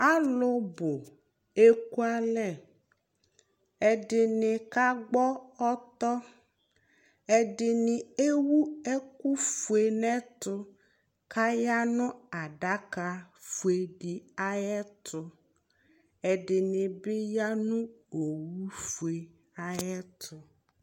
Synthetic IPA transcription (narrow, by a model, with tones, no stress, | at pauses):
a˦lʊ˦bʊ˨ | e˦ku˦a˦lɛ˦˨ | ɛ˨ɖɪ˨nɪ˨ka˦ɡ͡bɔ˦ɔ˦t̪ɔ˦ | ɛ˨ɖɪ˨nɪ̃˨e˦wu˦ɛ˦ku˦fu˨e˨nɛ̃˦t̪ʊ˦ | ka˦ja˦nʊ̃˦a˨ɖa˦ka˨fu˨e˨ɖi˨a˦jɛ˦t̪ʰʊ˦ | ɛ˨ɖɪ˨nɪ̃˨bɪ˦ja˦nũ˦o˨wu˦fu˨e˨ | a˨jɛ˦t̪ʰʊ˨˦